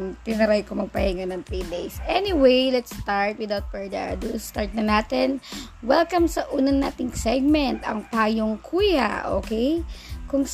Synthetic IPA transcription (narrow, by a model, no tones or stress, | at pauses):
t̪ɪnɐɾajkomɐɡ̚pɐhɛŋɐnɐŋt̪ɾiːd̪ejsʔɛnɪwejlɛt̪st̪aɹt̪̚wɪd̪awt̪̚pɛɹd̪ɛʔa̰d̪ust̪aɹt̪̚nɐnaːt̪ɪnwɛlkɐmsɐʔuːnɐnːaːt̪ɪŋsɛɡ̚mɛnt̪ɐ̰ŋpaːjoŋkʰuːja̰ʔo̰kɛjkʊŋs